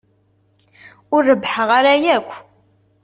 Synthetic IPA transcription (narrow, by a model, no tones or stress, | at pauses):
ʊrːəbħəʁaɾajækʷː